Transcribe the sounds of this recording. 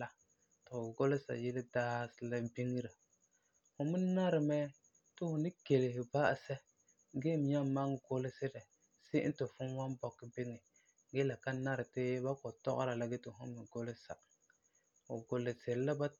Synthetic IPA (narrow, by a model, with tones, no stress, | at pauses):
a˦ | tɪ˨ʊ˨ɡo˦lɪ˦sa̰˨jɪ˦lɪ˦daː˦sɪ˦la˦bi˦ŋ˦ɾa˨ | hʊ˨mɪ˦na˦ɾɪ˨mɛ˦ | tʊ˦hʊ˨nɪ˦ke˨lɪ˨hɪ˨ba˦˨sɛ˦ | ɡe˦˨m˨ɲa˦ma˦ŋɡo˦lɪ˦sɪ˦ɾɛ˨ | se˦n̩˦tʊ˨fʊ˦nwa˦nbɔ˨kːɪ˦bɪ˦ŋɪ˨ | ɡe˦la˨ka˦na˦ɾɪ˨tɪ˦ba˦kɔ˨tɔ̰˦ʔɔ̰˦ɾa˨la˦ɡe˦tɪ˨ɦʊ̰˦mɪ˨ɡo˦lɪ˦sa̰˨ | ʊ˨ɡo˨lɪ˨sɪ˨ɾla˦ba˦